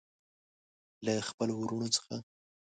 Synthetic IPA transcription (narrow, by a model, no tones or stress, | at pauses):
laxpəlwuɾuɳot͡sə̥xa